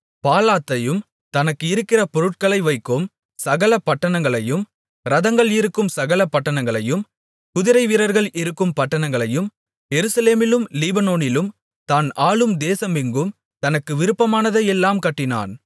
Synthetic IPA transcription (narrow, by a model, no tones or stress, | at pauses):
paːlaːt̪ːɐjɯm | t̪ɐnɐkːɯɪɾɯkːɪrɐpɔɾɯʈ̚kɐɭɐɪʋɐɪkːom | sɐɣɐlɐpːɐʈːɐɳɐŋɡɐɭɐjɯm | ɾɐðɐŋɡɐɭɪɾɯkːɯmsɐɣɐlɐpːɐʈːɐɳɐŋɡɐɭɐjɯm | kʊðɪɾɐɪʋɪɾɐɾɣɐɭʔɪɾɯkːɯmpɐʈːɐɳɐŋɡɐɭɐjɯm | jɛɾɯsɐleːmɪlɯmliːbɐnoːnɪlɯm | t̪aːnaːɭɯmd̪eːsɐmɪŋɡɯm | t̪ɐnɐkːɯʋɪɾɯpːɐmaːnɐðɐjɛlːaːmkɐʈːɪna̰ːn